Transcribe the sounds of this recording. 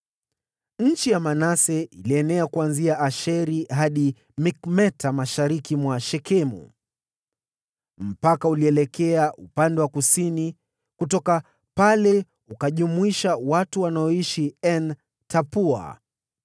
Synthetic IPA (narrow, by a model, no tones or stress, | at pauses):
ɲ̩t͡ʃijamanasɛiliɛnɛakuanziaʔaʃɛɾiɦaɗi | mikmɛtamaʃaɾikimwaʃɛkɛmṵ | m̩pakauliɛlɛkɛaʔupandɛwakusini | kutɔka | palɛ | ukaʄumuiʃawatuwanaɔiʃiɛn | tʰapua̰